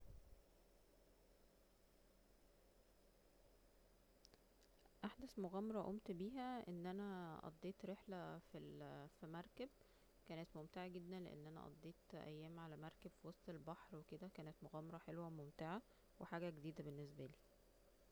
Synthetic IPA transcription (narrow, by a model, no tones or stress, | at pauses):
ʔaħd̪æsmoɣæːmɑɾˤɑʔomt̪biːɦæʔenːʔænæʔɑ̰d̪ˤːeːt̪ɾeħlæfilfimɑɾˤkæb̚ | kæːnet̪momt̪eʕaɡed̪ːænlḛʔḛnːʔænæ̰ʔɑ̰d̪ˤːeːt̪ʔæ̰jːæːmʕalæmɑɾˤkæb̥fiwɑsˤt̪ˤelbɑħɾweked̪ækæːnet̪moɣæːmɑɾˤɑħelwæmomt̪eʕa | weħaːɡæɡed̪iːd̪æbenːes̬bæliː